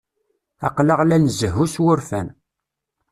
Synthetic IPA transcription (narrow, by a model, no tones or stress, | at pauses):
ɑqləʁlænzəɦuswʊɾfæn